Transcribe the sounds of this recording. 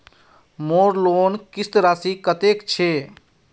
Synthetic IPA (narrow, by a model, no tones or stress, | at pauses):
moɾlonkist̪ɾasikət̪ekt͡ʃʰe